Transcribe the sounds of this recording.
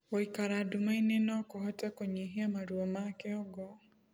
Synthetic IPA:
oikaɾadumainenɔkoɦɔtɛkoɲeɦeamaɾwɔmakɛɔɡɔ

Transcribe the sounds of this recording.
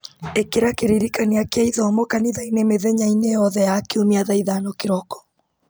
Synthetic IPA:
ekeɾakeɾiɾikaniakeaiðɔːmɔkaniðainemeðɛɲainejɔðɛjakeomiaðaiðanokeɾɔkɔ̥

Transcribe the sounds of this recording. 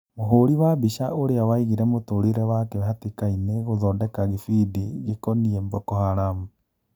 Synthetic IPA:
moɦoɾiwabiʃaʔoɾeawaiɣiɾɛmotoɾeɾɛwakewɛhatekaineɣoðɔdɛkaɣefideɣekɔniɛmbɔkɔhaɾamu

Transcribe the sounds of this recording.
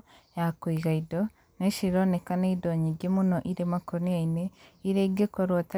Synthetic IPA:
jakwiɡaido | neʃiɾonekaneidoɲiɡemunoʔiɾemakoɾnijaineiɾeɡekoɾota

